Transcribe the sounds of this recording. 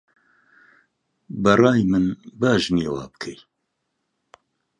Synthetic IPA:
bɐrɑːjmɨnbaːʒneːwɑ̰ːbɨ̥kʰɨj

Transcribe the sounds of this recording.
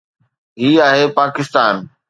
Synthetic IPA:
ɦiːaːɦeːpaːkɪst̪aːn

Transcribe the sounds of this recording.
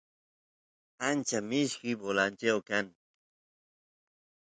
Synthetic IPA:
ant͡ʃamɪʃkɪjbolant͡ʃawkaŋ

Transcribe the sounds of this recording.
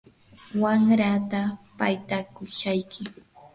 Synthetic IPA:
waŋɾat̪apajt̪akʊʃajkɪ

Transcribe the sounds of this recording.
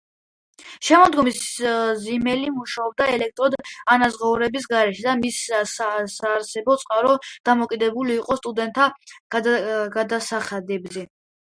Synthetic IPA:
ʃɛmɔd̪ɡɔmiszimɛlimuʃaɔb̚d̪aɛlɛk̚t̪ʼɾɔd̪anazʁauɾɛbis̬ɡaɾɛʃɛd̪amissasaːɾsɛbɔt̪sʼqʼaɾɔd̪̥amɔkʼid̪ɛbuliːqʼɔst̪ʼud̪ɛnt̪ʰːaɡɡad̪asaχad̪ɛbzɛ

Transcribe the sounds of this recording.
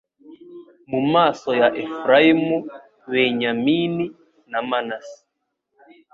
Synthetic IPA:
mumasɔjaʔɛfɾaimu | βɛɲamini | namanasi̥

